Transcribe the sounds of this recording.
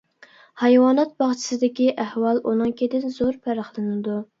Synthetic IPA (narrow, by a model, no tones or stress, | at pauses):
hɑjwɑːnɛt̪̚bɑʁt͡ʃʰi̥sɨd̪ɪkʲiʔæhwɑlˠʔunɨŋkʲed̪ɪnzoɾpʰæɾɑχlˠɨnɨd̪u